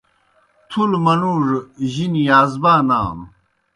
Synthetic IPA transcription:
t̪ʰulmɐnuʐʑinijaːzbaːna̰ːm

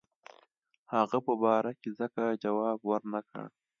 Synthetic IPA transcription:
haɣapəbɑːɾakezəkad͡ʒawɑːbwaɾnakə̰ɽ

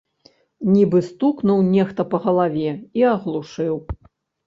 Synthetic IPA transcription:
nʲibɨst̪uknuwnʲɛxt̪ɐpɐɣɐlˠavʲɛiɐɣlˠuʂɨw

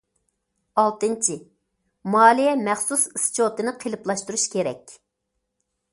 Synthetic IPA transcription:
ɑlˠt̪ɨnt͡ʃʰi | mɑːlˠijɛmɛχsusist͡ʃʰot̪ɨnɨqʰelˠɨplˠɑʃt̪uɾuʃkʲeɾɛ̰kʲ

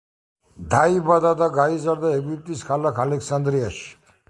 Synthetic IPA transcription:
d̪aibad̪ad̪aɡaizaɾd̪aɛɡwip̚t̪ʼiskʰalakʰalɛksand̪ɾiaʃi̥

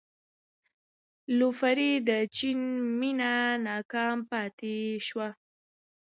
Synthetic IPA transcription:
lufaɾid̪ət͡ʃinminanɑkɑmpɑt̪eʃwa

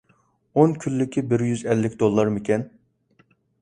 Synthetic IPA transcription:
onkʲʰylːɪkʲibɪɾjyzɛlːɪkʲd̪olˠːɑɾmɪkʲɛn

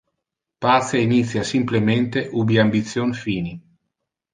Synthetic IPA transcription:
pat̪seinit̪sːjasimplement̪eʔubiambit̪sːjonfiːni

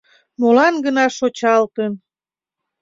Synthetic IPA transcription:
molɑnɡənɑʃot͡ɕɑlt̪ən

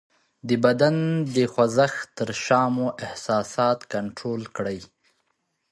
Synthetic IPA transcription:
d̪əbad̪and̪əxwazaxt̪əɾʃɑmoʔɪhsɑsɑt̪kaɳʈɾolkɽəj

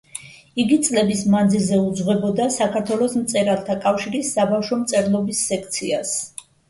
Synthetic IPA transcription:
iɡit̪sʼlɛbismand̪zilˠzɛud̪zʁwɛbɔd̪asakʰaɾt̪ʰwɛlˠɔsmt̪sʼɛɾalˠt̪ʰakʼafʃiɾisːabafʃɔmt̪sʼɛɾlˠɔbisːɛkʰt̪sʰias

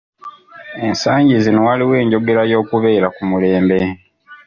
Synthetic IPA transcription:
ensaːɲɟizinowaliwe̞ːɲɟo̞ɡe̞ɾajo̞ːkuβe̞ːɾakumule̞ːmbe

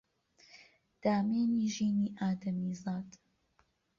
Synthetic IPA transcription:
d̪̥aːmeːniːʒiːniːʔaːd̪ɐmiːzaːd̪

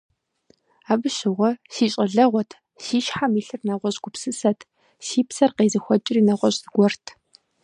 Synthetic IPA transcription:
aːbɨɕɪʁʷɔsiːɕʼɐɮɐʁʷɔtʰ | siːʃħamiːɬɨrnɐʁʷɔɕʼɡ̥ʷʊpsɨsɐtʰ | siːpsɐrqeːzɐxʷɔt͡ʃʼɪriːnɐʁʷɔɕʼzɡʷɔrtʰ

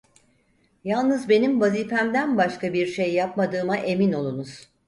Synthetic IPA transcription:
jalˠnɯzbe̞nimvaziːfæmd̪ænbaʃkabiɾʃe̞jːapmad̪ɯːmaʔe̞mino̞lˠunuz̥

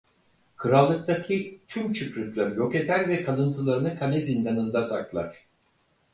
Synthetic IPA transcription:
kʰɯɾalˠːɯk̚t̪acʰit̪ʰymt͡ʃʰɯkɾyklʲaɾjo̞ket̪æɾvɛkʰalˠɯnt̪ʰɯlˠaɾɯnɯkʰalʲɛzind̪anɯnd̪at̪ʰaklˠa̰ɾ̝̥

